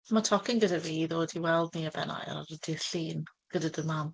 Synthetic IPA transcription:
matʰɔkɪŋɡədaviːðoːdiwɛlˠd̚niəbɛ̰na̰jə̰nɾədɪɬiːn | ɡ̥ədadəman

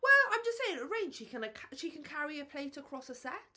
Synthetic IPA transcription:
wɛlãɪ̃md͡ʒʌstseɪɪ̃ŋəɹẽɪ̃n̥ʃikʰə̃nkʰʃikə̃nkʰaɹiəpʰl̥eɪtəkʰɹ̥ɒsəsɛt

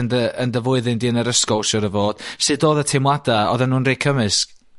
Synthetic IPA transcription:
əndəəndəvʊɨðɪndiːənəɾəskɔlˠʃɔɾəvoːd̥sɨdoːðətʰɪmwadaɔ̰ðənuːnrekʰəmɨsk̚

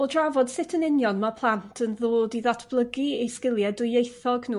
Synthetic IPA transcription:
ɔdravɔd̥sɪtʰənɪnjɔnmapʰlˠantʰənðoːdiðɔtʰb̥lˠəɡiejskɪlˠjɛdʊjejθɔɡnuː

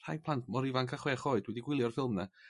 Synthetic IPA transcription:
r̥ajpʰlˠantʰmɔɾivaŋkʰaχwɛːχoːɨdwɛdiɡwɪlˠjɔrfɪlˠmnɛ

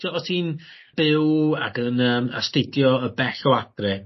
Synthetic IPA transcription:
iɔtʰiːnb̥ɪwakənəːma̰stɪdjɔəbɛɬɔwad̥rɪ

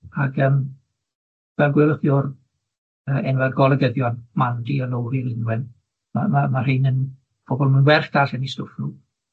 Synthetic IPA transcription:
aɡəm | vɛlˠɡwɪləχjʊr | əɛnwɛrɡɔlˠəɡəðjɔnmandiəlowɾilɪnwɪn | ma̰mamarɨnən | b̥ɔbɔlˠmunwɛrd̥asɛnistʊfnu

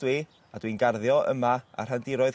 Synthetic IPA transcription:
wi | adwinɡarðjɔʔə̰maa̰r̥ɦandɪɾɔɨð

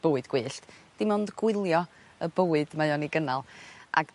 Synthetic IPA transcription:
b̥oːɨdɡ̥wɨːɬtd̥ɪmɔndɡ̥wɪlˠjɔ | əbəːɨdmajɔniɡənalˠʔa̰ɡ

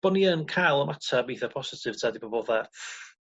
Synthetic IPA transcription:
b̥ɔniənkʰajlˠəmatʰabiθapʰɔsɪtʰɪv̥tʰaːdibɔbɔða

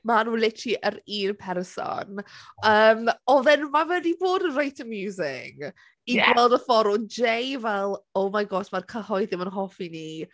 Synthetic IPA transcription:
manuːlɪtʰiʔəɾiːnpʰɛɾəsɔ̰nəːmɔðɛnmawɛdiboːdərajtʰəmjuːzɪ̰ŋ | iɡwɛlˠdəfɔɾʊd͡ʒejvɛlˠowmajɡɔsmarkʰəhɔɨðɪmənɦɔfini

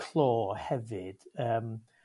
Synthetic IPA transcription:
lˠoːhɛvɨd̥əːm

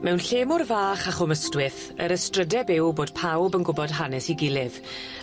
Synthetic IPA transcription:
mʔɛwnɬeːmʊrvaːχaχɔməstwɪθ | ə̰ɾəstrədɛbɪwboːd̥pʰawbənɡʊbɔd̥ɦanɛsiɡɪlɪv̥

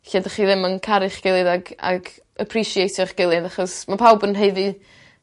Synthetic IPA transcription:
ɬedaχiːðɪmənkʰaɾɨχɡ̥ɪlˠɨðaɡa̰ɡ | əpʰriʃiejtʰɪχɡ̥ɪlˠɨðaχɔsmapʰawbənɦeɨði

